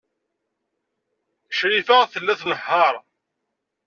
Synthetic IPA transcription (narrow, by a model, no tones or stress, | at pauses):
ʃɾifəʁθəlːæθnəħɑɾˤ